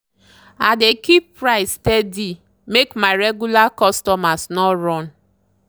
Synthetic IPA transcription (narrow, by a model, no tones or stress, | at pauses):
adekipːɾaɪstedi | mekmaɾeɡulakɔstɔmasnɔɾɔn